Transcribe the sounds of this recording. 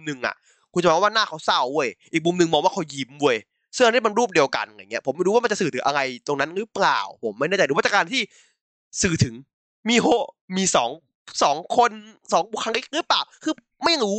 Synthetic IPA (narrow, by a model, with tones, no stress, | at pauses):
mnɯ˧ŋʔa̰˨˩ʔ | kʰu˧nt͡ɕa˨mː˧˥˩waː˥˩naː˥˩kʰa˦˥wsa˥˩wːu˥˩əjʔiː˨˩k̚mu˧mnɯ˧ŋmɔː˧ŋwaː˥˩kʰa˧˥wji˧˩mbu˧˩əj | sŋʔa˧nː˦˥˩ma˧nɾuː˥˩p̚di˧əwka̰˧n˨a˧˩ŋi˦˥ɐ˩pʰo˩˦ma˧˩du˧˦wa˥˩m˧nt͡ɕa˨sɯː˨˩t̪ʰɯ˩˦ʔa˧ɣa˧jt̪o˧ŋna˦˥nɾɯ˦˥pla̰ː˨˩wpʰo˩˦mːa˥˩jnaː˥˩t͡ɕa˨˩du˧wa˥˩a˨˩kaː˧nt̪ʰiː˥˩ | sɯː˨˩t̪ʰɯ˩˦ŋ | miː˧ɦo˦˥ | miː˧sɔ̰ː˩˦ŋ | sɔː˩˦ŋkʰo˧nsɔː˨˦ŋbu˨˩kʰa˧ŋli˦˥k̚ɾɯ˦˥plaː˨˩wkʰɯː˧ | ma˥˩ja˧ŋɾuː˦